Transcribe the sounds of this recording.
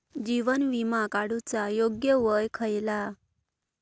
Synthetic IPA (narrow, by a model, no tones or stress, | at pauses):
d͡ʑiʋənʋimakaɽut͡sajoɡjəʋəjkʰəjla